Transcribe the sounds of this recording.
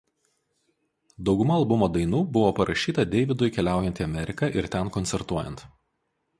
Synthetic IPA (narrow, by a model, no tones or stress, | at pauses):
d̪ɒʊɡʊmɐːlˠbʊmoːd̪ɐɪnuːbʊʋoːpɐɾɐʃʲiːt̪ɐd̪ʲɛɪʋʲɪd̪ʊɪkʲɛlʲæˑʊjɛnʲt̪ʲiɐmʲɛɾʲɪkɐʔɪɾt̪ʲɛnkɔnt̪sʲɛɾt̪uɔjɛ̰nt̪